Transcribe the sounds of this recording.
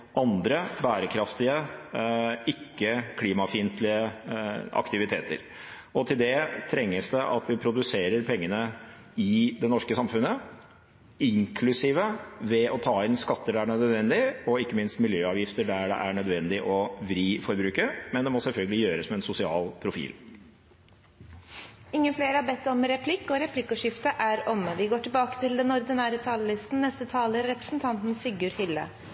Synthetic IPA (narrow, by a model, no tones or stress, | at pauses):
ʔɑnd̪ɾəbæːɾəkʰɾɑft̪ɪə | ɪkːəkʰliːmɑfiːnt̪lɪə | ɑ̰kt̪ɪʋɪt̪ʰeːt̪ə̰ɾ | ɔt̪ʰɪld̪ɛt̪ʰɾɛŋːəsd̪ɛʔɑt̪ʰʋɪpʰɾʊd̪ʉseːɾəɾpʰɛŋːənə | ɪd̪ɛnɔʂkəsɑmfʉnːə | ɪŋkʰlʉsiːʋəʋɛɔt̪ʰɑːɪnskɑt̪ːəɖɛæɳœd̪əd̪ʋɛnd̪ɪɔɪkːəmɪnst̪mɪljøːɑːʋjɪft̪əɖæɖɛ̰ʔæɳœd̪ʋɛnd̪ɪʔɔʋɾiːfɔɾbɾʉːkəmɛnd̪ɛmɔsɛlfœlɡəlɪjøːɾəsmɛɛnsʊsɪɑ̰ːlpʰɾʊfḭːl | ɪŋːənfleːɾəhɑbɛt̪ːɔmɾɛpʰlɪkːɔɾɛpʰlɪkːəʂɪft̪əʔæɾɔmʋɪɡoːʈɪlbɑːkə̥t̪ɪld̪ɛnɔɾd̪ɪnæːɾət̪ʰɑːləlɪst̪n̩nɛst̪ət̪ʰɑːləɾɾɛpɾəsn̩t̪ʰɑnt̪n̩sɪɡʊɾhɪlːə̰